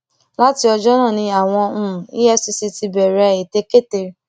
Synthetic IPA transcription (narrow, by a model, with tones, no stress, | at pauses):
la˦ti˧ɔ˧d͡ʒɔ˦nã˦˨nĩ˧a˨w̃ɔ̃˧˦˨ḭ˦jɛ˦si˧si˧ti˧bɛ˨ɾɛ˧˨e˨te˧ke˦˨te˧˨